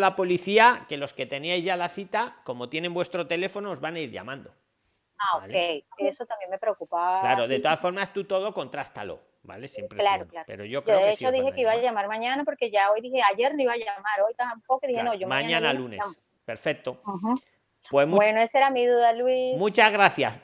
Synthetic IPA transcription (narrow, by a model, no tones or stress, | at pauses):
lapo̞liθiake̞lo̞ske̞t̪e̞niajzʝalaθit̪ako̞mot̪jene̞mbwest̪ɾo̞t̪e̞le̞fo̞noːzβanaiɾʎa̰mãnd̪o̞ | aoalkejkesot̪ambje̞ŋme̞pɾeokupalaɾoðet̪o̞asfo̞ɾmast̪ut̪o̞ð̞o̞ko̞nt̪ɾast̪a̰lo̞̰ | ba̰lesjempɾelaɾoklaɾpḛɾoʝokoðeest͡ʃoðiheeiβaʝamaɾmãɲãnapo̞ɾkeʝaojðiheaʝe̞ɾnoiβaʝamaɾo̞jt̪ampokoðihenoʝommãɲaãnalunes | pe̞ɾfe̞k̚t̪o̞h̩ | pwesmubenoeseɾamiðuðalwimũt͡ʃazɣɾaθjas